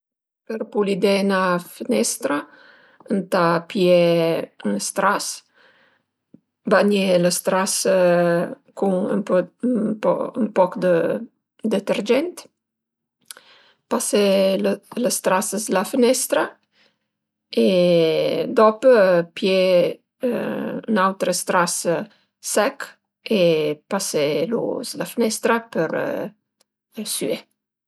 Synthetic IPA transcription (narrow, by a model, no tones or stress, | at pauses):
pəɾpulid̪ɛnafənɛst̪ɾa | ənt̪apjɛənst̪ɾas | baɲɛləst̪ɾas | kuŋə̰mpɔpɔ̰əmpɔkd̪ə | d̪ət̪əɾd͡ʒɛnt̪ | paselələst̪ɾasəzlafənɛst̪ɾa | e | d̪ɔpəpjḛ | y̰nawt̪ɾəst̪ɾas | sɛk | epaselṵzlafənɛst̪ɾapəɾ̰ | sye